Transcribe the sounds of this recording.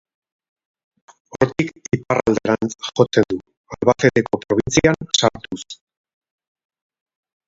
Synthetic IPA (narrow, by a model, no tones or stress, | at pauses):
o̞ɾt̪ikiparald̪e̞ɾant͡sxo̞t͡se̞nd̪u | alβafe̞t̪e̞ko̞pɾo̞β̞int͡siansaɾt̪us